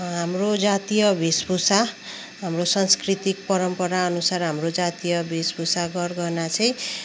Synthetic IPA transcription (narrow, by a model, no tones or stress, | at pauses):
ɦamrod͡zat̪ijʌbʱisbusa | ɦamrosʌnskrit̪ik̚pʌɾʌmpʌɾaʌnusarɦamrod͡zat̪ijʌbʱisbusaɡʌrɡʌnat͡sʰʌj̃